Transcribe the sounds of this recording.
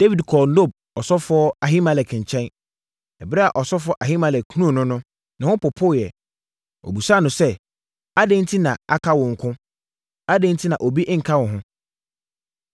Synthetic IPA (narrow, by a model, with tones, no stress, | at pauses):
d̥e˦wi˨dkʰɔ˨no˦˨b̚ | ɔ˨sɔ˦fɔ˦a˨ɦĩ˦mã˨lɛ˨kʰɪ̃˨ɲ˨t͡ɕʰɛ̃˦n | ɛ˨bɪ˦ɾɛ˦a˨ʔɔ˨sɔ˦fɔ˦ʔa˨ɦĩ˦mã˨lɛ˨kʰu˦nũ˦˨nʊ̃˦nʊ̃˦ | nã˨hʊ̃˦pʊ˨pʰʊ˦˨jɛ˨ | o̰˨bu˨sa˦˨nʊ̃˨sɛ˦ | a˦dẽ˦n̩˦tʰi˦nã˨a̰˦kʰa˦wʊ̃˨ŋ̩˨kʰʊ̃˦ | a˦dẽ˦n˦tʰi˦nã˨ʔo˨bi˦ʔŋ̩˨kʰa˦wʊ̃˨ɦʊ̃˦